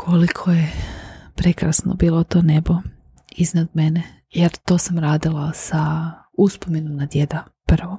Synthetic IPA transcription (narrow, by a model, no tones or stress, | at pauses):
kʰolikʰojepɾe̞kɾasno̰biːlˠot̪o̞ːnebo̞ | iznad̪mene | jeɾt̪o̞ːsamɾaːd̪ilˠasa | uspomenomnad̪je̞d̪a | pr̩ʋo